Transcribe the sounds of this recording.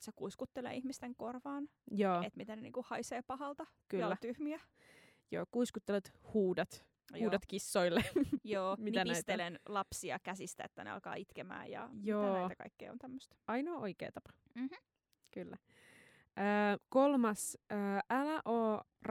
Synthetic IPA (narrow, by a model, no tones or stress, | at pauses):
sekuiskut̪ːelḛːihmist̪eŋkorʋɑːn | joːet̪mit̪ænenḭːŋkuhɑiseːpɑhɑlt̪ɑ | kyoːæt̪yhmiæ | joːkuiskut̪ːelet̪huːdɑt̪ | uːdɑt̪kisːoilːejoːmiænisit̪elenlɑpsiɑ̰kæsist̪æ̰ḛt̪ːæ̰nḛɑ̰lkɑ̰ːit̪kemæ̰ːjɑ̰joːet̪ækɑ̰ikːḛːo̰nt̪æmːøst̪ɑinoʔoikḛːt̪ɑpɑ̥ | m̩m̩ | kylːæ | ʔəːkolmɑsəːʔælæʔoːr